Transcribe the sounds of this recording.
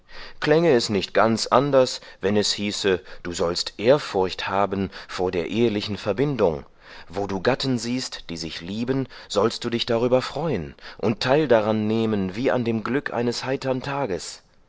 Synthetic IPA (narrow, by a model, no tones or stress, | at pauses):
kl̥ɛŋəɛsnɪçt̚ɡ̥ant͡sʔandɐsvɛnɛshiːsəd̥uːzɔlstʔeːɐfʊɐçthaːbən̩foːɐdeːɐʔeːəlɪçn̩fɛɐbɪndʊŋ | voːduːɡatn̩ziːstd̥iːzɪçliːbənz̥ɔlst̚d̥uːdɪçd̥aʁ̞yːbɐfʁ̥ɔʏənʔʊntʰːaɪldaʁanːeːmənviːa̰ndeːmɡlʏkʔa̰ɪnəshaɪtɐntʰaːɡəs